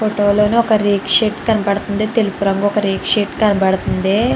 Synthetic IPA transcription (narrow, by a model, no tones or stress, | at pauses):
foʈoːlo̞ːniɔkɐɾiːkʂiːʈkɐnɐbɐɽɐt̪und̪it̪elupuɾɐŋɡuɔkɐɾiːkʂiːʈkɐnɐbɐɽɐt̪und̪e